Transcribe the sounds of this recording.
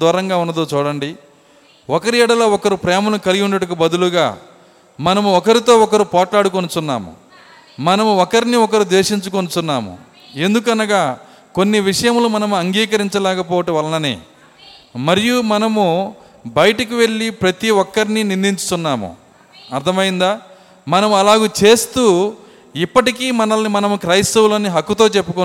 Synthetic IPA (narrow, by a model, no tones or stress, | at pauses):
d̪uːɾɐŋɡaːunːɐd̪oːt͡ʃuːɽɐɳɖi | ɔkɐɾiɛɽɐlɐɔkɐɾupɾɛːmɐnukɐliɡiunːɐʈɐkubɐd̪uluɡaː | mɐnɐmuɔkɐɾit̪o̞ːɔkɐɾupɔːʈlaːɽuk̬onut͡ʃunːa̰ːmṵ | mɐnɐmuɔkɐɾiniɔkɐɾud̪ʋeːʂiɲt͡ʃuko̞nut͡ʃunːaːmṵ | e̞nd̪uk̬ɐnɐɡaː | ko̞nːiʋiʂɐjɐmlumɐnɐmuɐŋɡiːkɐɾiɲt͡ʃɐlɛːkɐpɔːʋɐʈɐʋɐlɐnɐnḛː | mɐɾijumɐnɐmu | bɐjɐʈɐkiʋe̞ɭːipɾɐt̪iʋɔkːɐɾininind̪iɲt͡ʃu̥t̪unːaːmṵ | ɐɾd̪ʰʱɐmɐjind̪aː | mɐnɐmuɐlaːɡuːt͡ʃe̞ːst̪uː | ipːɐʈikiːmɐnɐlɐnimɐnɐmukɾɐjst̪ɐwloːniɦɐkːut̪o̞ːt͡ʃe̞pːuko